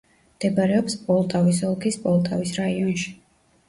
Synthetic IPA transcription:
md̪̥ɛbaɾɛɔpspʼɔlˠt̪ʼavis̬ɔlˠkʰispʼɔlˠt̪ʼavisɾaiɔnʃi̥

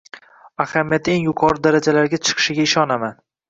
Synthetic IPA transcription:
ahamijat̪ːeŋjʊqʰɒɾɪd̪aɾad͡ʒalaɾɡʲat͡ʃʰɨ̥qʰɨ̥ʃɪɡʲaɪʃɒnaman

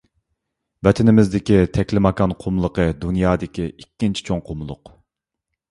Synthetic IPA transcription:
vɛt̪ʰɪnɪmɪzd̪ɪkʲit̪ʰɛkʲlɪmɑkɑnqʰomlˠəqʰəd̪unjɑːd̪ɪkʲiikʲːint͡ʃʰi̥t͡ʃʰoŋqʰomlˠʊ̰q

